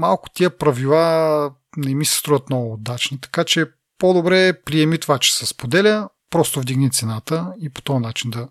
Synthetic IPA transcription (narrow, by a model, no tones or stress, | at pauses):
malˠkʊ̥t̪iəpɾɐvilˠa | nɛmisɛ̥st̪ɾuvət̪nɔɡʊd̪at͡ʃnit̪ɐ̥kat͡ʃɛ | pod̪obɾɛpɾiɛmit̪ovat͡ʃɛ̥sɛspod̪ɛlʲə | pɾɔst̪ovd̪iɡnit̪sɛnat̪əipo̥t̪ɔənat͡ʃind̪ɐ